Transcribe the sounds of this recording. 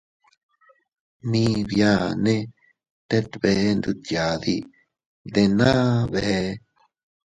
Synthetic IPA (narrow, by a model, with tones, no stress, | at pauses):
mĩ˦˧βja˧nẽ˦ | t̪e˦t̪βe˧˦nd̪u˧t̪ja˨ði˧ | d̪e˧nã˦βe˧˨he˧